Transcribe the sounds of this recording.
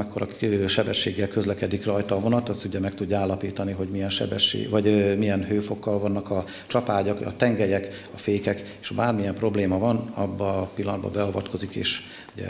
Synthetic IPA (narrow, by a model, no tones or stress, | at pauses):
ɛkːoɾʔɒʃɛbɛʃːeːɡːɛlkø̞zlɛkɛd̪ikrɒjt̪ɒːvo̞nɒt̪ɒsuɟɛmɛk̚t̪uɟːaːlːɒpiːt̪ɒniɦo̞ɟmijɛnʃɛ̰bɛʃːḛːvɒɟmijɛnɦøːfo̞kːɒlvɒnːɒkɒ | t͡ʃɒpaːɟɒkɒ̰t̪ɛŋɡɛjɛk | ɒfeːkɛk | eʃbaːrmijɛmpro̞bleːmɒvɒnɒbːɒpilːɒnd̪̚bɒ̰bɛɒvɒt̪ko̞zikḛːʃ | uɟɛ̰